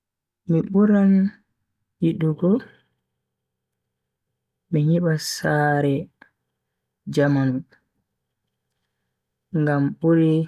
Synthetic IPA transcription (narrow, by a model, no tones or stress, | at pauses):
miɓuɾan | jiɗuɡɔ | mihiɓasaːɾɛ | d͡ʒamanu | ŋɡamɓuɾi